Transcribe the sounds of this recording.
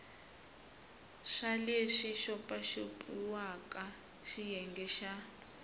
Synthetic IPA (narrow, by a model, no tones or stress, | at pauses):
ʂaleʂiʃɔpʼaʃopʼuwakʼa | ʃijɛŋɡɛʃa